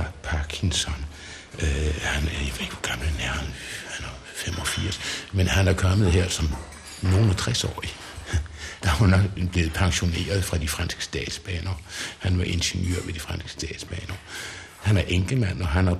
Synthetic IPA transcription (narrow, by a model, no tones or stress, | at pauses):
ɑpʰɑkʰinsɒ̽n | øhænjæʋeðˠeɡ̥ʋɒ̥ɡ̥ɑ̈mlnæɐn̩hænæɐ | fem̰ɒ̽fiɐ̰smenhænæɐkʰɒ̽məð̞̩ˠɦeɐsɒ̽m | no̝ːnɒt͡sʰʁɛsɒ̰ːi | d̥ɑ̈ʋɑnɒ̽ɡ̥b̥le̝ːð̩ˠpʰɑ̈ŋɕo̝ne̝̰ːɐð̩ˠfʁɑ̈d̥ifʁɑnsɡ̥ə̥sd̥ɛ̰ːd̥sb̥ɛ̰ːnɐhænʋɑ̈ʔe̝nɕenjø̰ɐ̰ʋe̝d̥ifʁɑnsɡ̥ə̥sd̥ɛ̰ːd̥sb̥ɛːnɐ | hænæɐʔeŋɡ̥ləmænɒ̽ɦænæɐ